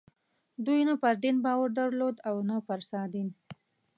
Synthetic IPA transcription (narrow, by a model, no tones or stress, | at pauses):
d̪ujnapaɾd̪inbɑwaɾd̪aɾlod̪awnapaɾsɑd̪in